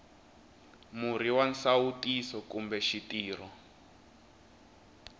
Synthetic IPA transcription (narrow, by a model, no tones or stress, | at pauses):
muɾiwansawutisɔkumbɛʃitiːr̤ɔ